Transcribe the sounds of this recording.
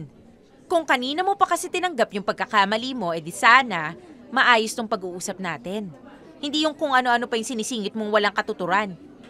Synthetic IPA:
n | kʊŋkɐniːnɐmo̞pɐkɐsɛt̪ɪnɐŋɡapjʊŋpɐɡ̚kɐkamɐlimo̞ʔɛd̪ɪsaːnɐmɐʔaːjost̪ʊŋpɐɡuːʔuːsɐp̚naːt̪ɛn | hɪnd̪iːjʊŋkʊŋʔɐno̞ʔɐnopɐjʊŋsɪniːsiːŋɪt̪̚moŋwɐlaŋkɐt̪ʊt̪ʊɾan

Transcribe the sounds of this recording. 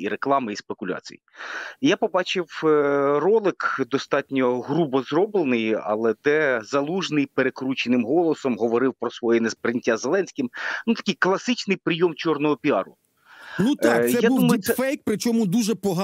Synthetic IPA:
iɾeklˠɑmɪispekʊlʲa̰t͡sʲḭjḭjapɔbɑt͡ʃɪwrɔlˠɪkd̪ɔst̪ɑtʲnʲɔɦɾubɔzrɔblˠenɪjɐ̰lˠɛd̪ɛzɐlˠuʒnɪjpeɾekɾut͡ʃenɪmɦɔlˠɔsɔmɦɔʋɔɾɪwpɾɔsʋɔjɛnespɾenʲɪtʲːazelˠɛnʲsʲkʲɪmnut̪ɐ̥kʲɪjklˠɐsɪt͡ʃnɪjpɾɪjɔmt͡ʃɔrnɔɦɔpʲiɑɾʊ | nut̪ɑj̪ɛad̪umɐjʊsɛfɛjk̚pɾɪt͡ʃɔmʊd̪uʒɛpɔɦɑ

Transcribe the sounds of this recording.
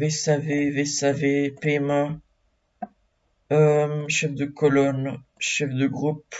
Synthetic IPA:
vesavevesavepema | ømʃɛfd̪əkɔlɔnʃɛfd̪əɡʁup

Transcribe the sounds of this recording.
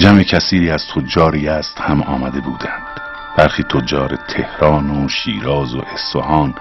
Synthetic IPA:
d͡ʒæmecʰæsiːɾiːæz̥t̪ʰod͡ʒɒːɾiːæst̪hæmɒ̰ːmæd̪e̞buːd̪ænd̪̥ | b̥æɾxiːt̪ʰod͡ʒɒːɾet̪ʰe̞hɾɒːnoʃiːɾɒːzo̰ʔe̞sfohɒːn

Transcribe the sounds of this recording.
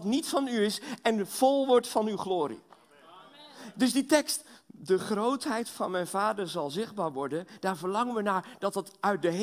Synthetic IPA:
tnitfɑnyɪsɛnv̥ɔlˠʋɔɹtfɑnywχloːɾḭ | dɵzditɛkstdəχrowtɦɛjtfɑ̰nmɛjnvaːdəɹzɑlˠzɪχd̚baːɹʋɔɹdənd̥aːɹvəɹlɑŋənʋənaːɹd̥ɑtətœɥt̚dəɦ

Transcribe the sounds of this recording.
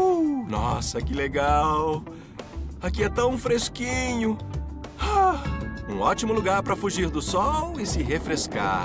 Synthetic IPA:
nɔsɐkɪleɡaw | akiɛt̪ɐ̃w̃fɾeskĩɲʊ | a | ũɔt͡ʃimʊluɡaɾpɾɐfuʒiɾd̪ʊsɔwɪsɪɦefɾeska̰

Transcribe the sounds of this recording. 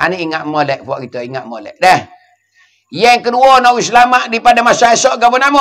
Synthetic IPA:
a̰niiŋaʔmolɛʔpuaʔkit̪oiŋaʔmolɛ̰ʔdɛh | jɛŋkəduɔnɔwis̬lamaʔdipadamasaesɔʔɡabɔnamɔ

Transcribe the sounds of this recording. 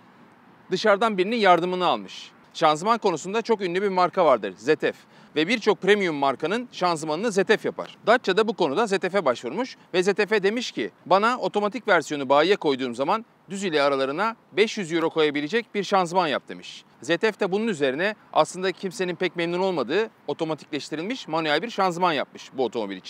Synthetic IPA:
d̪ɯʃaɾd̪anbiɾininjaɾd̪ɯmɯnɯalˠmɯʃ | ʃanzmanko̞nusund̪at͡ʃʰo̞kynlʲɛbiɾmaɾkʰavaɾd̪ɯ̰ɾzet̪ʰɛf | vɛbiɾt͡ʃʰo̞k̚pɾemijumːaɾkanɯnʃanzmanɯnɯze̞t̪ʰɛfjapʰa̰ɾ̥d̪at͡ʃt͡ʃːad̪abuko̞nud̪aze̞t̪ʰefɛbaʃvuɾmuʃvɛze̞t̪ʰefɛd̪e̞miʃcḭbanao̞t̪ʰo̞mat̪ʰicvæɾsijo̞nubaːijɛko̞jd̪uːmzaman | d̪yzilʲɛaɾalˠaɾɯnabɛʃjyzjyɾo̞kʰo̞jabilʲed͡ʒɛc̚biɾʃanzmanja̰p̚t̪ʰɯmiʃ | zet̪ʰɛft̪ʰɛbununyze̞ɾinɛa̰slˠɯnd̪acʰimse̞ninpʰɛc̚memnuno̞lˠmad̪ɯːo̞t̪ʰo̞mat̪ʰi̥clʲɛʃt̪ʰiɾilʲmiʃmanyjælʲbiɾʃanzmanja̰p̚mɯʃbuo̞t̪ʰo̞mo̞bilʲit͡ʃʰi̥n

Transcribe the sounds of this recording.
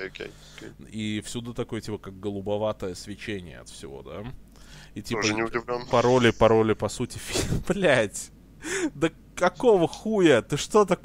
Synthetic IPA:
okʲḛjokʲejifsʲud̪ut̪ɐko̞jətʲipəkak̚ɡəlˠʊbɐvat̪əjəsvʲɪt͡ɕenʲɪjə̰ɐ̰t̪fsʲɪvo̞̰d̪a̰ | itʲipʐənʲɪʊdʲɪvlʲomppɐɾolʲɪpɐɾo̞lʲɪpɐsutʲɪfʲiplʲætʲ | d̪ə | kɐko̞vəxujət̪ɨʂt̪o̞t̪ɐk

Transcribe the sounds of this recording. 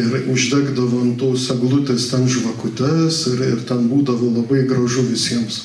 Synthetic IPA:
ɪɾʊʒʲd̪ʲæːɡd̪ɐʋoːɐnt̪oːsɛɡlˠʊt̪ʲeːst̪ʲɛnʒʋɐkʊt̪ʲɛsɪɾɪrt̪ʲɛnbuːd̪ɐʋoːlˠɐbɐɪɡɾɐʒʊʋʲɪsʲiɛms

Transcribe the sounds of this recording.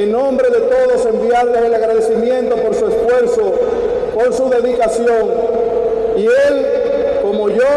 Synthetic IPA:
enõmbɾe̞ðe̞t̪o̞ðose̞mbjaðleselaɣɾaðe̞simjẽ̞nt̪o̞po̞ɾsuesfwe̞ɾso | poɾsuðe̞ðikasjo̞ŋ | iel | ko̞moʝo

